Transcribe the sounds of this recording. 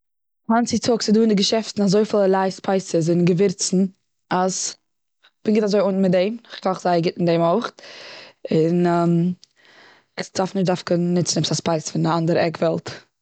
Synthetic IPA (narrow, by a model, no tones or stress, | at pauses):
ant͡sɪtʰʊksɪduːɪndɪɡəʃɛftn̩azoɪfɪlˠəlˠaɪspʰaɪsəs̬ɪnɡəvɪɾt͡sn̩ | as | b̥ɪnɡɪtazoɪʊnn̩mɪt̚dɛɪmχkʰɔχzaɪəɡɪtɪndeɪmoʊχt | ɪnːm | ɪχd̥afnɪʃ̬dafkɪnnɪt͡sn̩ɛpsaspaɪsfɪndɪandəɾəɛkvɛlˠt